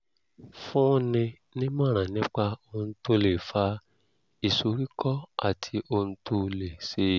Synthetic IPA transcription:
fũ˦nĩ˧ | nĩ˦mãː˦˨ɾ̃ã˨nĩ˦k͡pa˧o˧n̩˦to˧le˨fa˧ | i˨so˨˦ɾi˦kʰɔ˦a̰˦˨tʰi˧o˧n̩˦to˧le˨se˧˦

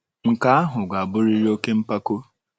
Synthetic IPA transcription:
ŋ̩˨ka˦a˦ɦʊ˨ɡʷa˨a˨bʊ˦ɾi˦ɾi˦o˦ke˦m̩˦pa˦ko˦

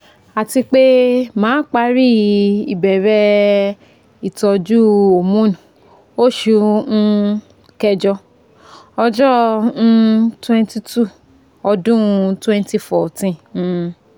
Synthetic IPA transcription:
a˨ti˧k͡pe˦mãː˨˦k͡pa˦ɾi˦i˨bɛ˨ɾɛ˧ | i˨tɔ˧d͡ʒu˦o˨mũ˦nũ˨ | o˦˨ʃũ˧˦˧ | kɛ˧d͡ʒɔ˧ | ɔ˧d͡ʒɔ̃˦˧ | twɛ̃˦nti˧tu˦˨ | ɔ˧dũ˦˧twɛ̃˦nti˧fɔ˨tĩ˦˧

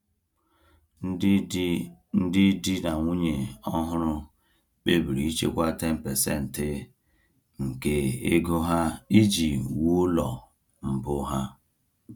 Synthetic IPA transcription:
n̩˦dɪ˦di˦na˨ŋʷu˦ɲe˨ɔ˦ɦʊ˦ɾʊ˦ | k͡pe˦bi˨ɾi˨i˦t͡ʃḛ˦kʷa˦te˦m̩˨pe˨se˦˨n̩˨tɪ˦ | ŋ̩˨ke˦ḛ˦ɡo˦ɦa˦i˦d͡ʒi˨wu˦lɔ˨ | m̩˨bʊ˦ɦa˦

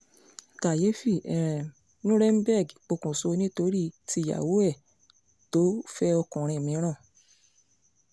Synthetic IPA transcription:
ka˨je˨˦fi˦˨ɛ˨ɾ̃ɛ̃˨ | nũ˦ɾɛ˦m̩˦bɛ˦˨ɡk͡po˧kũ˨so˧nĩ˦to˧˦ɾi˦ti˧˨ja̰˨wo˨˦ɛ˦˨ | to˨˦fɛ˦ɔ˧kũ˨ɾ̃ĩ˧˨mĩ˨˧˦ɾ̃ã˦˨

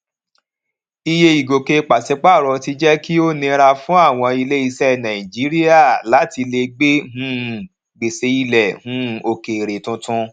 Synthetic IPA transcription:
i˧je˧i˨ɡo˨ke˧k͡pa˨se˨˦k͡pa˦˨ɾɔ˧ti˧d͡ʒɛ˦ki˦o˦nĩ˧ɾa˧fũ˦a˦˨w̃ɔ̃˧i˧le˦i˧sɛ˦˧nã˨ĩ˨d͡ʒi˨˦ɾi˦a˦˨la˨˦ti˧le˧ɡ͡be˦ɦũ˦˨ | ɡ͡be˨se˧i˧lɛ˨hũ˨˦˨o˧ke˨ɾe˨tũ˦tũ˦

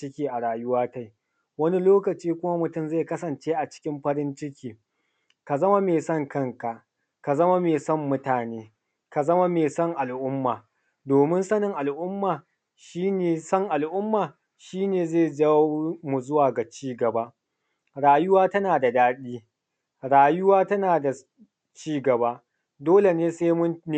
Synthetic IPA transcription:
ɪ˦kʲiː˦ʔa˨ɽaː˨jʊ˦waː˦ta˦j | wɐ˦ni˦loː˦kɐ˨t͡ʃiː˦kʷʊ˦ma˦mʊ˨tʊ˦˨mze˦˨kɐ˦sɐ˨nt͡ʃeː˦ʔa˨t͡ʃɪ̥˦kʲɪ˦mɸɐ˦ɾɪ˦nt͡ʃɪ˦kʲʰiː˨ | ka˨zɐ˦ma˦meː˨sɐ˦ŋkɐ˦ŋka˨ | ka˨zɐ˦ma˦meː˨sɐ˦mːʊ˦taː˨neː˨˦ | ka˨zɐ˦ma˦meː˨sɐ˦ŋʔa˨lʔʊ˦mːaː˨ | doː˨mɪ˦nsɐ˦nɪ˨ŋʔa˨lʔʊ˦mːaː˨ | ʃiː˦neː˨sɐ˦ŋʔa˨lʔʊ˦mːaː˨ | ʃiː˦neː˨zeː˦˨d͡ʒa˦mu˨zʊ˦waː˨ɡa˨t͡ʃiː˦ɡɐ˨ba˦ʔ | ɽaː˨jʊ˦waː˦tɐ˦naː˨da˨daː˦ɗiː˦ | ɽaː˨jʊ˦waː˦tɐ˦naː˨da˨ | t͡ʃiː˦ɡɐ˨ba˦ | doː˦le˨neː˦seː˦mʊ˦n˦˨

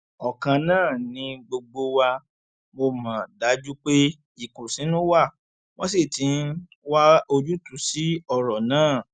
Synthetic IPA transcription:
ɔ˨kã˧nãː˦˨nĩ˧ɡ͡bo˧ɡ͡bo˧wa˧ | mo˧mã˨da˨˦d͡ʒu˦k͡pe˦ | i˦˨ku˨sĩ˨˦nũ˦wa˦˨ | w̃ɔ̃˦s̬e˦˨tĩ˨˧˦n˦ | wa˦o˧d͡ʒu˦tu˦˨si˨˦ɔ˧ɾɔ˨nãː˦˨

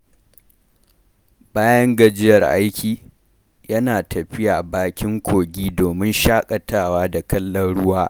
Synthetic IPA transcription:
baː˦jɐ˦ŋɡɐ˨d͡ʒɪ˦jɐ˨rʔa˦jkʲiː˨ | jɐ˦naː˨tɐ˨ɸɪ˦jaː˨baː˦kʲɪ˦ŋkʷʰoː˨ɡʲiː˦doː˨mɪ˦nʃaː˦kʼɐ˨taː˦˨waː˦da˨kɐ˦lːɐ˦nɽʊ˦waː˦

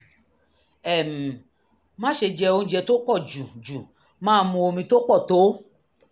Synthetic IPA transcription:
ɛ˨m̩˨ | mã˦ʃe˧d͡ʒɛ˧o˧n˦d͡ʒɛ˧to˦k͡pɔ˦˨d͡ʒu˨d͡ʒu˨ | mãː˦mũ˧o˧mĩ˧to˦k͡pɔ˦˨to˨˦

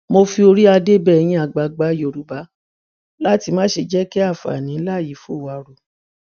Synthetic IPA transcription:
mo˧fi˧o˧ɾi˦a˧de˦bɛ˦˨˧j̃ĩ˧˦a˧ɡ͡ba˧ɡ͡ba˨˦jo˧˨ɾu˨˦ba˨˦ | la˦ti˧mãː˦ʃe˧d͡ʒɛ˦ke˦a˦˨fa̰˨nĩ˨˦la˦˨ji˨˦fu˦˨wa˧ɾo˨

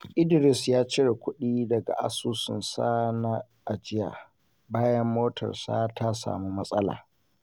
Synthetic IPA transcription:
ʔɪ˦dɪ˨ɾɪ˨sjaː˦t͡ʃɪ˦ɽe˨kʷʊ˦ɗiː˦dɐ˨ɡa̰˨ʔa̰˦suː˦sɪ̰˨nsaː˦na˦ | ʔa˨d͡ʒɪ˦ja̰ː˨ | baː˦jɐ˦mːoː˦tʰɐ̰˨rsa̰ː˦tʰa˦sa̰ː˨mu˦mɐ˦sʼɐ˦la̰ː˨

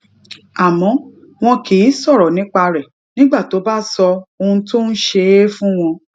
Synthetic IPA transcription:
a˨mɔ̃˨˦ | w̃ɔ̃˧ki˨i˨˦sɔ˦˨ɾɔ˨nĩ˨˦k͡pa˧ɾɛ˨ | nĩ˦ɡ͡ba˦˨to˨˦ba˦sɔ˧o˧ũ˧to˦n̩˦ʃe˧˦fũ˦w̃ɔ̃˧

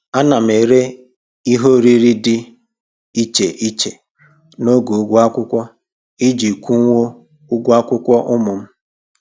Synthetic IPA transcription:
a˦na˨m̩˨e˨ɾe˦ | i˦ɦo˦ɾi˦ɾi˦dɪ˦ | i˦t͡ʃe˨ʔi˦t͡ʃe˨ | no˦ɡu˨u˦ɡʷu˦a˦kʷʊ˦kʷɔ˦ | i˦d͡ʒi˨kʷu˦ŋʷo˦ | ʊ˦ɡʷu˦a˦kʷʊ˦kʷɔ˦ʔʊ˦mʊ˨m̩˦

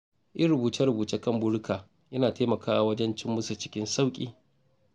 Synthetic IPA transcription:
ʔɪ˦ɽʊ˨buː˨tɐ˦ɾʊ˨buː˨t͡ʃeː˦kɐ˦˨mbʊ˦ɽkʰaː˨ | jɐ˦naː˨taː˦mɐ˨kaː˦ʔa˨wɐ˦d͡ʒɛ˦nt͡ʃɪ˦mːʊ˦sa˨t͡ʃɪ̥˦kʲɪ˦nsa˦wkʲʼiː˦

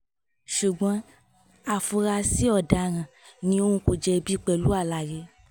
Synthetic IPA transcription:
ʃu˨ɡ͡bɔ̃˨˦ | a˦˨fu˧ɾa˧si˦ɔ˦˨da˨ɾ̃ã˨nĩ˧õ˦ũ˧ko˨d͡ʒɛ˧bi˦k͡pɛ˨lu˦a˦˨la˨je˧˦

